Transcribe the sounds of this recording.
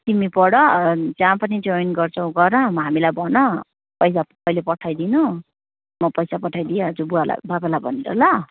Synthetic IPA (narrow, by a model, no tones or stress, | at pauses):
t̪imipʌɽʌd͡zãpʌnid͡zojnɡʌrt͡sʰʌw̃ɡʌɾʌmʌɦamilajbʱʌnʌ | pʌjs̬a | ʌjlepʌʈʰːajd̪inʌ | mʌpʌjsapʌʈʰajd̪ieɦʌd͡zubuala̰babalabʱʌ̰niɾʌ̰lʌ